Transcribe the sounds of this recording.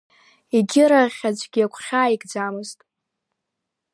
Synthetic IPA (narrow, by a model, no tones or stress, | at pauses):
iɡʲɪɾaʁʲad͡zʷʼɡʲiakʷʰχʲaːiɡʼd͡zamɨztʼ